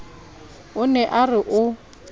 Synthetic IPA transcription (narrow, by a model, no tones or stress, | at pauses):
ʊnɛʔarɪʔʊ